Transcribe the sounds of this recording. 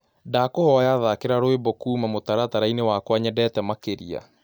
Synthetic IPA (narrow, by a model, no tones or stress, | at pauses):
daːkohɔjaðakeɾaɾoebɔkuːmamotaɾataɾainewakwaɲɛdɛːtɛmakeɾia̰